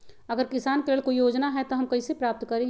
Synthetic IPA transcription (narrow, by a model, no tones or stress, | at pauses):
ɐɡəɾkɪsaːnkeleːlkojoːd͡ʒnaɦɛt̪oɦɐmkɐisepɾaːp̚t̪kɐɾẽ